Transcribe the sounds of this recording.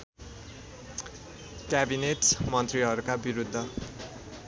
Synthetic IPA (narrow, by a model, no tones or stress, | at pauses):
kjabineʈmʌnt̪riɦʌɾukabiɾud̪ʱːʌ